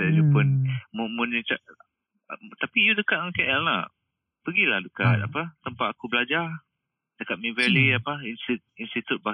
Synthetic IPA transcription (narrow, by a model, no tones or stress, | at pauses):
ajupʊnmumunut͡ʃaʔ | t̪apijudəkat̪̚ɔnkɛʔɛlna̰ | pəɡilahdəkat̪̚a̰pat̪əmpat̪̚akubəlad͡ʒar | dəkat̪̚mĩvɛliapainst̪it̪̚inst̪it̪ut̪̚ba